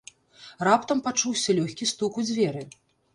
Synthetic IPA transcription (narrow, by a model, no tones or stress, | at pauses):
rapt̪ɐmpat͡ʂuwsʲɐlʲɔxʲkʲist̪ukud͡zʲvʲɛɾɨ